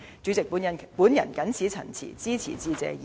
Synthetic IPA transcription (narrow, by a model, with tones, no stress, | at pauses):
t͡sy˨˥t͡sɪ˨k̚puː˨˥njɐ˨npuː˨˥njɐ˨˩nkɐ˨˥nsʰiː˨˥t͡sʰɐ̰˨˩nt͡sʰḭː˨˩t͡siː˥t͡sʰḭː˨˩t͡siː˨˥t͡sɛ̰ː˧j